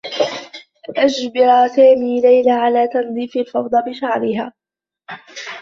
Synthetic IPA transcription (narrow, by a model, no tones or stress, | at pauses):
ʔad͡ʒbɪɾˤasaːmiːlajlaʕalaːt̪ɑnd̪ˤiːfɪlfɑwd̪ˤɑbɪʃaʕɾɪɦaː